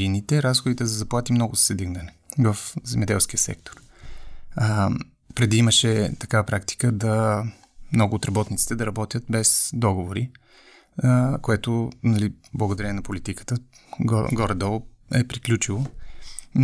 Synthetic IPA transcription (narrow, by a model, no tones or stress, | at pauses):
init̪ɛɾasxod̪it̪ɛzɐzɐplˠat̪imnɔɡʊzsɛd̪iɡnɐnɛ | vəfzɛmɛd̪ɛ̰lˠskʲiəsɛ̰k̚t̪o̥ɾ | pɾɛd̪iiməʃɛt̪ɐkavəpɾakt̪i̥kəd̪ɐ | mnɔɡʊːt̪ɾɐbɔt̪nit̪si̥t̪ɛd̪ɐɾɐbɔt̪ʲjət̪̚bɛsd̪ɔɡovoɾi | koɛt̪onɐliblˠəɡoʊd̪ɐɾʲɛɛnɐpolit̪ikə̥t̪ə̰ | ɡɔɾd̪ɔlˠ | ɛpɾiklʲut͡ʃilˠo